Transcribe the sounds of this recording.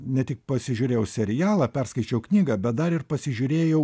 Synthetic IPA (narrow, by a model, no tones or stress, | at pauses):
nʲɛt̪ʲɪkpɐsʲɪʒʲʊːɾʲeːjɛʊsʲɛɾʲɪjæːlˠɐːpʲɛrskɐɪt͡ʃʲɛʊknʲiːɡɐbʲɛt̪̚d̪ɐɾɪrpɐsʲɪʒʲʊːɾʲeːjɛʊ